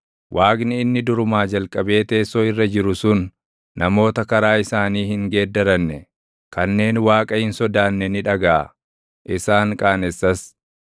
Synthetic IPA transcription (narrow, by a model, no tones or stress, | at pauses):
wʔaːɡnɪɪnːɪd̪ʊɾʊmaːd͡ʒɐlkʼɐbe̞ːt̪e̞ːsɔːɪrːɐd͡ʒɪɾʊsʊnː | ɐmo̞ːt̪ɐkɐɾaːɪsaːniːhɪŋɡeːd̪ːɐɾɐnːɛ | kɐnːe̞ːnwaːkʼɐhɪnsɔd̪aːnːɛnɪᶑɐɡaʔɐ̰ | ʔɪsaːŋkʼaːnɛsːɐs